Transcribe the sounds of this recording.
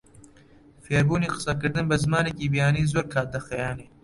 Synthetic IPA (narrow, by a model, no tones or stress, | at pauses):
feːɾbuːniːqɨ̥sɐkɨɾd̪ɨnbɐzmaːnekiːbijaːniːzoːɾkʰaːd̪ɐxɐjaːneː